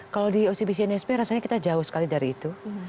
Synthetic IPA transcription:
kalawdiosibis̬iɛnɛspeɾasaɲakit̪ad͡ʒaʊhsə̥kalidaɾiːt̪u

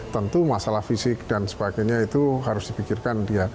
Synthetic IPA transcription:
t̪ənt̪umasalahfisɪk̚dansə̥baɡaɲait̪uɦaɾʊsd̥ipikɪrkandia

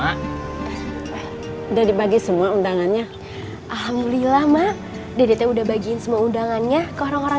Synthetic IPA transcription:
a | udahdibaɡisəmuaundaŋanɲa | ʔalɦamdulilahmaʔ | dadet̪audahbaɡiɪnsəmuaundaŋanɲakəoɾaŋoɾa

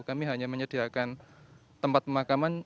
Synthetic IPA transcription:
kamiɦaɲaməɲəd̥iakan | t̪əmpat̪̚pəmakaman

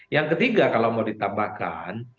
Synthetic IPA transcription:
jaŋkət̪iɡakalawmawdit̪abahka̰n

